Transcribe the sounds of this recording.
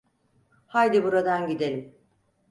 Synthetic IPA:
hajd̪ibuɾad̪anɟid̪elʲim

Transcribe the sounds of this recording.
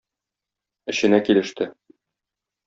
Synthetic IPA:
ɘ̆ɕɘ̆nækilɘ̆ʃt̪ɘ

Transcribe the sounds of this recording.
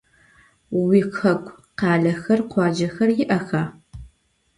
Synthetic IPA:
wiːxʰɐkʷʰʼ | qɑːɮɐxɐrqʷɑːd͡ʒɐxɐrjɪʔɐxaː

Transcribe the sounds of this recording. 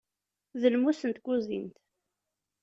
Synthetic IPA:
ðəlmusənt̪kʷuzint̪

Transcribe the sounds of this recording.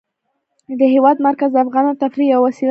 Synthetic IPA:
d̪əɦewɑd̪maɾkazd̪afɣɑnat̪afɾiawasil

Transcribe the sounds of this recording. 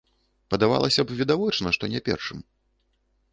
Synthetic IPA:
pɐd̪ava̰lˠɐsʲɐbvʲid̪avɔt͡ʂnɐʂt̪ɔnʲɛpʲɛ̰rʂɨm

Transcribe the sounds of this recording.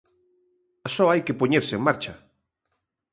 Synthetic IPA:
ɐsɔajkepoɲeɾsɪeŋmaɾt͡ʃɐ

